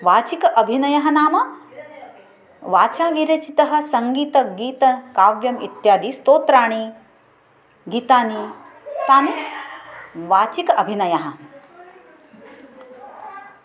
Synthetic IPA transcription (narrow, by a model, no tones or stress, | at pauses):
ʋaːt͡ʃikɐʔɐbʱinɐjɐɦɐnaːmɐ | ʋaːt͡ʃaːʋiɾet͡ʃit̪ɐɦɐ̆sɐŋɡiːt̪ɐɡiːt̪ɐkaːʋjɐmḭt̪jaːd̪iːst̪oːt̪ɾaːɳ̃i | ɡiːt̪aːni | t̪aːnu | ʋaːt͡ʃikɐbʱinɐjɐɦɐ̆